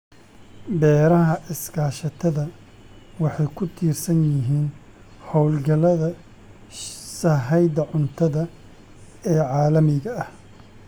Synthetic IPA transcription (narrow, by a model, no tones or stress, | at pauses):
bɛːɾɐɦɐʔɪskʰaːʃɐt̪ʰɐðɐ | wɑħɑjkʰʊt̪ʰiːrsɐnjɪɦiːn | hɔwlɡɐlɐðɐ | sɐɦɛjd̪ɐʕʊnt̪ʰɐðɐ | ɛːʕɑːlɐmɪɣɐɐh